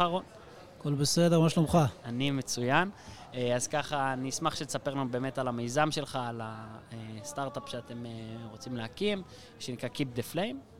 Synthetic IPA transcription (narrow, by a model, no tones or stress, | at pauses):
aʁo̞n | akolbesedeʁmamaʃlomχaanime̞t͡sujan | azkaχanismaχʃelsape̞ʁnube̞ːme̞talamejzamʃe̞lχaːlaest̪aʁt̪apʃeate̞meʁo̞t͡simleakim | ʃenikʁakip̚d̪eflejm